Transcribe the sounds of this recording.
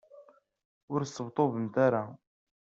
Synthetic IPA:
ʊɾsəvt̪ˤovəmt̪aɾa

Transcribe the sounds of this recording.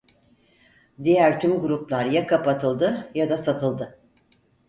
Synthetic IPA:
d̪ijæɾt̪ʰymɡuɾuplˠaɾjakʰapat̪ʰɯlˠd̪ɯjad̪asat̪ʰɯlˠd̪ɯ

